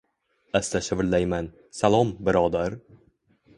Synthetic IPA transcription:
ast̪aʃɪbɾlajman | salˠɒmbɪɾɒːd̪aɾ

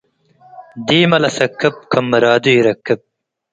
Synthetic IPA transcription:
d̪iːmɐlɐsɐkːɐp̚kʰɐmːɐɾaːd̪uiɾɐkːɐp̚

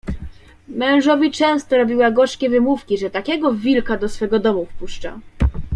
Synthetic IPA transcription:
mɛ̃w̃ʐɔvʲit͡ʂɛ̃w̃st̪ɔɾɔbʲiwaɡɔʂkʲɛvɘmufkʲiʐɛt̪akʲɛɡɔvʲilkad̪ɔsfɛɡɔd̪ɔmufpuʂt͡ʂa̰

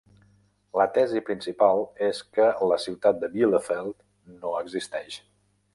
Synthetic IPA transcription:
lət̪ɛzipɾinsipalˠeskələsiwt̪at̪̚d̪əβiləfɛlˠt̪ | noəɡzist̪ɛʃ

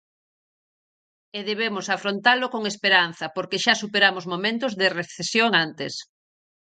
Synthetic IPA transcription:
eðeβ̞emosafɾont̪alokoŋespeɾanθɐpoɾkeʃasupeɾamozmomẽnt̪ozðereθesjoŋant̪es

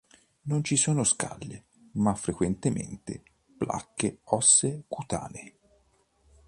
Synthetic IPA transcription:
nont͡ʃisoːnoska̰lːe | mafːɾekwent̪emḛnt̪ḛ | pla̰kːeɔsːekut̪a̰ːne

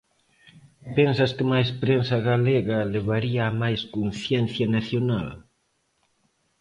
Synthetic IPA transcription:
pensɐskɪmajspɾensɐɣaleɣɐleβaɾiɐːmajskunθjɛnθjɐnaθjona̰l

